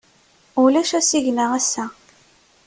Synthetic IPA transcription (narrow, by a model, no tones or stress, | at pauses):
ulæʃæsiʝnaʁæsːæ